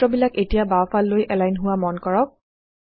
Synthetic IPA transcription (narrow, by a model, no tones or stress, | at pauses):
ɔbilaketijabapʰalːojʔɛlajnɦʊwamɔnkɔɹɔk̚